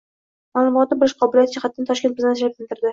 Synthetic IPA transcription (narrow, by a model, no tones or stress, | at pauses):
maːlˠʊmɒt̪̚nɪbɪɾɪʃqʰɒbɪlijat̪ʰɪt͡ʃʰaχat̪ːant̪ʰɒʃkʲet̪̚bɪzneslap̚kʲɪlt̪ɪɾd̪ɪ